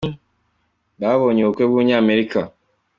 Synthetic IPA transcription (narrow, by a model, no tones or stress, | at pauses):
baβoɲookʷeβuɲeameɾika